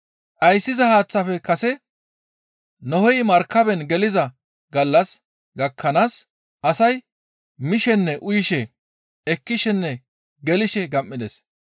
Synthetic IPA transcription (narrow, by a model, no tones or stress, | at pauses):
ʔɐjsːɪzɐhaːt͡sːɐfɛkɐsɛ | nɔhɔjmɐɾkːɐbɛnɡɛlɪzɐ | ɡɐlːɐs | ɡɐkʰːɐnaːs | ʔɐsɐj | mɪʃɛnːɛʔʊjɪʃɛ | ɛkːɪʃɛnːɛ | ɡɛlɪʃɛɡɐmːɪd̪ɛs